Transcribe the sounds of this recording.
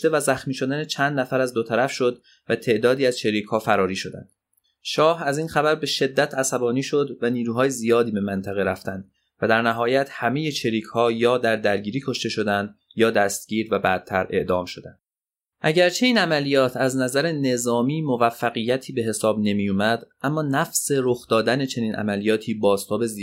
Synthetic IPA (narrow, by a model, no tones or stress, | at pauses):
t̪e̞væzæxmiːʃo̞d̪ænet͡ʃʰænd̪næfæɾæzd̪ot̪ʰæɾæfʃo̞d̪ | væt̪ʰe̞ʔd̪ɒːd̪iːæz̥t͡ʃʰeɾiːcʰhɒːfæɾɒːɾiːʃo̞d̪æ̰nd̪̥ | ʃɒːhæziːnxæbæɾbe̞ʃe̞d̪ːæt̪ʰæsæbɒːniːʃo̞d̪væniːɾuːɦɒːje̞zijɒːd̪iːbe̞mænt̪ʰæɣeɾæft̪ænd̪ | væd̪æɾnæɦɒːjæt̪ʰhæmeje̞t͡ʃʰeɾiːkʰhɒːjɒːd̪æɾd̪æɾɟiːɾiːkʰo̞ʃt̪e̞ʃo̞d̪ænd̪ | jɒːd̪æst̪̚ɟ̥iːɾvæbædt̪̚t̪ʰːæɾʔe̞̰ʔd̪ɒːmʃo̞d̪æ̰nd̪̥̚ | ʔæɟæɾt͡ʃʰe̞iːnæmælijɒːt̪ʰæznæzæɾene̞zɒːmiːmo̞væfːæɣijæt̪ʰiːbe̞ɦe̞sɒːbne̞mijumæd̪ʔæmːɒːnæfse̞ɾoxd̪ɒːd̪æne̞t͡ʃʰe̞niːnʔæ̰mælijɒːt̪ʰiːbɒːst̪ʰɒːbe̞zi